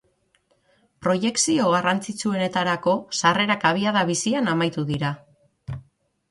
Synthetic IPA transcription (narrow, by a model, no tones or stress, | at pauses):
pɾo̞je̞ksio̞ɣ̞arant͡sit͡sue̞ne̞t̪aɾako̞sare̞ɾakaβ̞iað̞aβ̞isianamajt̪uðiɾa